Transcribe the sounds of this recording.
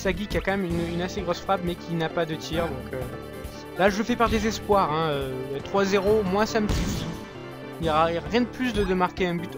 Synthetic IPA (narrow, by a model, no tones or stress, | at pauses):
saɡʲikʲiakɑ̃mɛmynynaseɡʁɔsfχapmɛkʲʰinapad̪ət̪ʰiːʁd̪ɔ̃kʰø | laʒələfɛpaʁd̪ezɛspwaʁɛ̃øt̪χwazeʁomwasaməsyfi | ljɔʁaiʁʁjɛ̃d̪əplys̬d̪əd̪əmaʁkʲeɛ̃byt̪